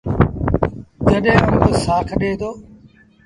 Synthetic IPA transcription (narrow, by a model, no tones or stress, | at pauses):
d͡ʒəɗɦẽːənːd͡ʒoːsaːkʰəɗeːt̪ʰoː